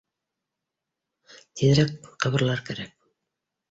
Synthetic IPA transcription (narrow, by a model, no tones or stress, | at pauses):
t̪iðɾækqɤ̆βɤ̆ɾlˠɑɾkæɾæk̚